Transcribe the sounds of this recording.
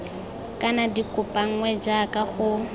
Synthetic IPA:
kʼanadikʼʊpʼaŋ̩ŋwɛd͡ʒakʼaɣʊ

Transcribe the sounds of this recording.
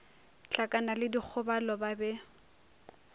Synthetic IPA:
t͡ɬakʼanalɪdik͡xʰʊbalɔbabɛ

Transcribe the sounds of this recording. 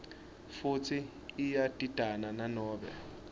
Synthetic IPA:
fut͡sʰiː | jatʼid̥ʱanananɔːbɛ̰

